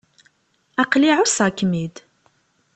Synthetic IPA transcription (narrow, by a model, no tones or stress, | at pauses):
ɑqliʕʊsɑkmid̪